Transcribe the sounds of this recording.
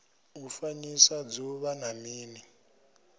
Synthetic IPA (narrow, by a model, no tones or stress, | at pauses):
ufaɲisad͡zuβanamiːni